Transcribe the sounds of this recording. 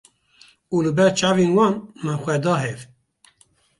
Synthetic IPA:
uːlɨbɛɾt͡ʃʰɑːveːnwɑːnmɛxʷɛd̪ɑːɦɛv

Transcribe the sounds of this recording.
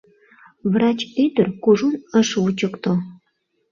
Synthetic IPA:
βrɑt͡ɕyd̪ərkuʒunəʃut͡ɕəkt̪o

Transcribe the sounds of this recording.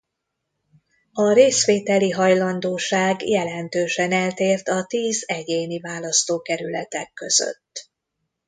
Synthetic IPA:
ɒɾeːsʋeːt̪ɛliɦɒjlɒnd̪oːʃaːɡjɛlɛnt̪øːʃɛnɛlt̪eːrt̪ɒt̪iːzɛɟeːnivaːlɒst̪oːkɛɾylɛt̪ɛkːø̞z̥ø̰t̪ː

